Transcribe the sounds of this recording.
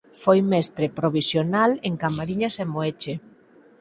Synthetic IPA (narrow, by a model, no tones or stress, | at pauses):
fojmɛst̪ɾepɾoβ̞isjonaleŋkamaɾiɲasemoet͡ʃe